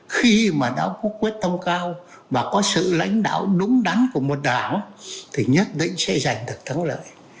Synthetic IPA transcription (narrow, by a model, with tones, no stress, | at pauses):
xi˧maː˨˩ɗa˨˦wkɔ˨˦kwi˦˥ət̚t̪ʰə˧wŋ͡mkaː˧w | vaː˨˩kɔ˨˦sɨ̰˧˨la̰˧˥jŋ̟ɗa̰ː˧˨wɗʊ˨˦ŋ͡mɗa˨˦nku˧˩əmo˨˩t̚ɗaː˨˩ŋ˦t̪ʰi˨˩ɲə˦˥t̚ɗḭ˧˨ŋ̟sɛ̰˧˥za˨˩jŋ̟ɗɨ˨˩ək̚t̪ʰa˨˦ŋlə̰ː˧˨j